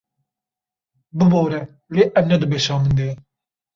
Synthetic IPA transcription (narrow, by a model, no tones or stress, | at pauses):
bɨbɑːɾɛ | leːʔɛmnɛd̪ɨbeːʃɑːmɨnd̪eː